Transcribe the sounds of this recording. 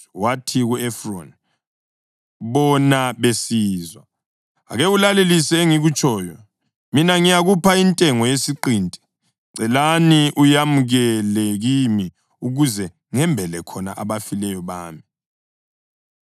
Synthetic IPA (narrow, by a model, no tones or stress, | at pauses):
watʰiɣuɛfron | βɔnaβesiːzwa | a̰ɣeulalelisɛeŋiɣut͡ʃʼʰɔːjɔ | minaŋijaɣupʰaintʼɛŋɔjesiǃiːntʼɛ̥ | ǀɛlaniʔujamuɣɛlɛɣimi | uɣuzɛ | ŋɛmbʱɛlɛkʰɔna̰ʔa̰βafilɛjɔβaːmi